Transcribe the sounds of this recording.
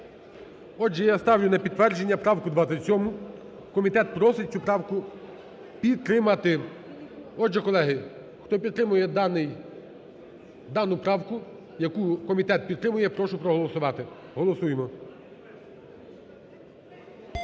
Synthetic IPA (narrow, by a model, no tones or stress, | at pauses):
ɔd͡ʒʒɛjast̪ɑwnʲʊnɐpʲid̪t̪ːʋɛrd͡ʒenʲːɐpɾɑwkʊd̪ʋɑɐsʲɔmʊ | kɔmʲit̪ɛt̪̚pɾɔsɪt͡sʲupɾɑwkʊ | pʲid̪̚t̪ːɾɪmɐt̪ɪ | ɔd͡ʒɛkɔlˠɛɦɪ | xt̪ɔp̬ʲid̪t̪ɾɪmʊjɛnɪj | d̪ɑnʊpɾɑwkʊ | jɐkukɔmʲit̪ɛt̪̚pʲid̪t̪ːɾɪmʊjɛpɾɔʃʊpɾɔɦɔlˠɔsʊʋɑt̪ɪ | ɦɔlˠɔsujemɔ